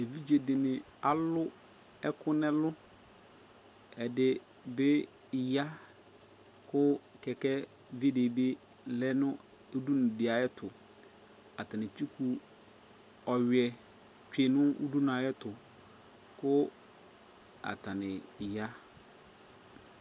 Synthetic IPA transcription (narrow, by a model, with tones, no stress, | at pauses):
e˨vi˦d͡ʑe˨dɪ˨nɪ̃˨ | a˨lʊ˦ | ɛ˦kʰʊ˦nɛ̃˦lʊ˦ | ɛ˨dɪ˨ | bɪ˦˨ | ja˦ | kʰʊ˦kɛ˨kɛ˦ | vi˦de˨be˦ | lɛ˦nʊ̃˦ | e˦du˦nʊ̃˨dɪ˨a˨jɛ˦tʰʊ˨ | a˨ta˨nɪ̃˨t͡ɕᶣi˦kʰu˨ | ɔ˨ɥɛ˨ | t͡ʃᶣe˨nʊ̃˦ṵ˦du˦n˨a˨jɛ˦tʊ˨ | kʊ˦ | a̰˨tʰa˨nɪ̃˨ja˦